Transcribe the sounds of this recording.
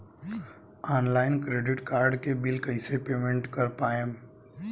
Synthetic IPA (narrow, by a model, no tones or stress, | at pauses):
aːnlaːɪnkɾeːɖɪʈkaːɾɖkebɪlkəɪsepeːmẽɳʈkəɾpaːem